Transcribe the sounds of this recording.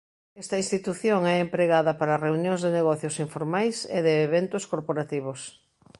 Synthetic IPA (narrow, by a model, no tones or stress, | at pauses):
ɛst̪ɐĩnst̪it̪uθjoŋɛempɾeɣaðɐpaɾɐreunjõŋzðeneɣɔθjosiɱfoɾmajsḛðeːβent̪ʊskoɾpoɾat̪iβ̞os